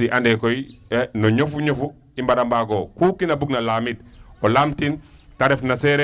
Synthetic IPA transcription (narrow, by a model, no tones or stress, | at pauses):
iʔandekojinoɲofuɲofu | imbaɾambaɡokukinabuɡnalaːmitolaːmtintaɾefnaseɾe